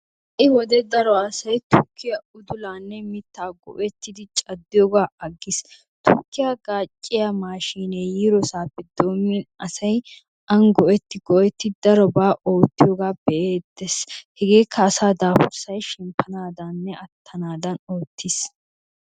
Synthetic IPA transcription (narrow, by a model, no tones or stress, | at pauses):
ʔɪwɔd̪ɛd̪ɐɾɔɐsɐjt̪ʊkʰːɪjɐʊd̪ʊlaːnːɛmɪt̪ːaːɡɔ̰ʔɛt̪ːɪd̪ɪt͡ʃʼɐd̪ːɪjɔːɡaːɐɡːɪs | t̪ʊkːɪjɐɡaːt͡ʃʼːɪjɐmaːʃiːnejiːɾɔsaːpːɛd̪o̞ːmːɪnɐsɐj | ʔɐŋɡɔʔɛt̪ːɪɡɔʔɛt̪ːɪd̪ɐɾɔbaːʔo̞ːt̪ːɪjoːɡaːbɛʔeːd̪eshɛɡe̞ːkʰːɐːsaːd̪aːfʊɾsɐjʃɪmpːɐnaːd̪ɐnːɛɐt̪ʰːɐnaːd̪ɐnoːt̪ːɪs